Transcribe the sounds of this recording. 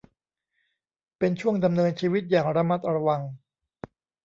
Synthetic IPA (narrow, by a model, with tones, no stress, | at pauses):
pe˧nt͡ɕʰu˥˩əŋda˧mnɤː˧nt͡ɕʰiː˧wi˦˥t̪̚jaː˨˩ŋɾa˧ma˦˥t̪̚ɾa˧wa˧ŋ